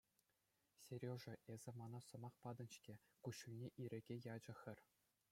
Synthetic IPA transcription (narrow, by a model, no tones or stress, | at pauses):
sʲerʲoʐɘ̆ʔezʲɘ̆mɑnɑsɤ̆mɑχpɑd̪ɤ̆nʲt͡ɕkʲĕkuɕunʲeʔiɾʲɘ̆ɡʲejɑd͡ʑɤ̆xʲɘ̆rʲ